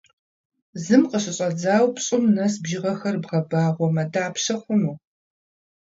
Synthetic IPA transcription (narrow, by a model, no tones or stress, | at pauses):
zɨmqəɕɪɕʼɐd͡zaːwpɕʼɪmnɐsbʒɪʁɐxɐrbʁɐbaːʁʷɔmɐdaːpʃɐχʷʊnuː